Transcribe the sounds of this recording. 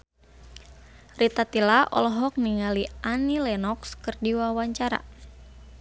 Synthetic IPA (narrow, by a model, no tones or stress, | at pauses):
rit̪at̪ilaʔɔ̰lɔɦɔk̚niŋaliʔanilɛnɔkskɨrdiwawaɲt͡ʃaɾa̰